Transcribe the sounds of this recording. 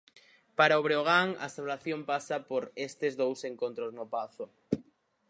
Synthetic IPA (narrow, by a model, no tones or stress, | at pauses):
paɾaoβ̞ɾeoɣ̞aŋa̰saβlaθjompasapoɾest̪ezðowseŋkont̪ɾoznopaθo